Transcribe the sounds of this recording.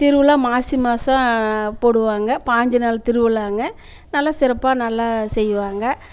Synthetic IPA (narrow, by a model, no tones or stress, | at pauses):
t̪ɪɾɯʋɯlaːmaːsɪmaːsãpoːɽɯʋaːŋɡɐpaːɲd͡ʒɯnaːlt̪ɪɾɯʋɯlaːŋɡɐ | nɐlːasɪɾɐpːaːnɐlːasɛjːɯʋaːŋɡɐ